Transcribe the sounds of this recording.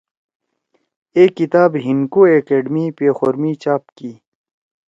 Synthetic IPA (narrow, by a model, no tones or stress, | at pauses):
eːkːit̪aːbɦinkoːekeːɖmipeːxoɾmit͡ɕaːpkiː